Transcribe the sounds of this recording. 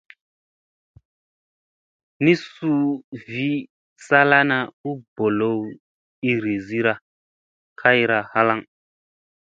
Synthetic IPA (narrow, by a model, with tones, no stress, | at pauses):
ni˦su˦vi˦ | sa˦la˦na˦u˦bo˨lo˦w | i˦ɾi˨zi˦ɾa˨ | kʰa˦ji˦ɾa˨ha˦la˦ŋ